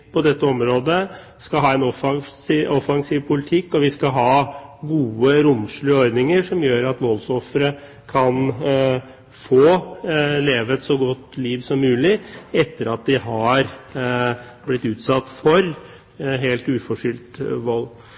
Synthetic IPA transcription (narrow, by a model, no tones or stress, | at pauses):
pʰɔd̪ɛt̪ːəɔmɾoːd̪ə | skɑlɦɑːɛnɔfɑŋsɔfɑŋsiːʋpʰʊlɪt̪ʰɪkːɔʋɪskɑɦɑːɡuːəɾʊmʂɭyəɔɾd̪nɪŋəʂɔmjøːɾɑt̪moːlsɔfɾə | kʰɑn | foːleːʋəɛt̪sɔɡɔt̪ːliːʋsɔmːʉːlɪɛt̪ːəɾɑt̪̚d̪ɪɦɑɾ | blɪt̪ːʉːt̪sɑt̪ːfɔɾ | ɦeːlt̪ʉːfɔʂʏlt̪ʋɔlː